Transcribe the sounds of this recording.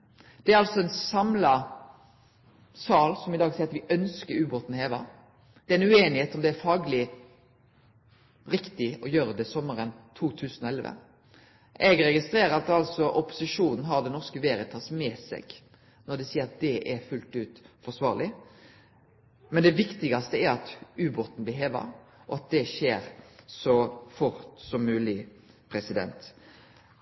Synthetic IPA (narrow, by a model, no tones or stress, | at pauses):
d̪̥ɛæɾɑlsɔɛnsɑmlɑ | sɑːlsɔmɪd̪ɑːɡsiːɾɑt̪ʋɪʔœnskəɾʉːboːt̪n̩heːʋɑ | d̪̥ɛæɾɛnʉeːnɪheːt̪ɔmd̪ɛæɾfɑːɡlɪ | ɾɪkt̪ɪɔjøːɾəd̪ɛsɔmːəɾənt̪ʰuːt̪ʰʉːsnɔɛlʋə̰ | ʔɛɡɾɛɡɪst̪ɾeːɾəɾɑt̪ɑlsɔʔɔpʊ̥sɪʂuːnn̩ɦɑd̪ɛnɔskəʋeːɾət̪ʰɑːsmɛsɛ̰ɡ̥ | nɔd̪ɛsiːəɾɑt̪̚d̪ɛʔɛɾfʉlt̪ʉːt̪fɔsʋɑːʁlɪ | mɛnd̪ɛʋɪkt̪ɪɡɑst̪əæɾɑt̪ʉːbʊɾt̪n̩blɪɦeːʋɑ̰ | ʔɔ̰ɑt̪̚d̪ɛʃeːɾsɔfʊɾt̪sɔmmʉːlɪ | pʰɾɛsɪd̪ɛ̰nt̪